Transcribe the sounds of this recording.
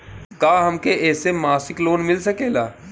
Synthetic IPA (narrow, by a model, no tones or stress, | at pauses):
kaːɦɐmkeʔɛːsemaːsɪkloːnmɪlsɐkeːlaː